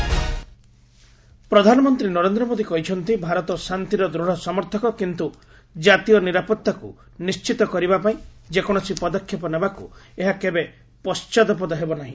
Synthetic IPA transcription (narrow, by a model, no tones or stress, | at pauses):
pɾɔd̪ʱanɔmɔnt̪ɾinɔɾend̪ɾɔmod̪ikɔɦit͡ʃʰɔnt̪ibʱaɾɔt̪ɔsant̪iɾɔd̪ɾuɽ̤ɔsɔmɔɾt̪ʰɔkɔkint̪u | d͡ʒat̪iɔniɾapɔt̪ːakṵ | nist͡ʃit̪ɔkɔɾibapaĩd͡ʒekɔɽ̃ɔsipɔd̪ɔkʰːjɔpɔnebakṵeɦakebe | pɔst͡ʃad̪ɔp̬ɔd̪ɔɦebɔnaɦĩ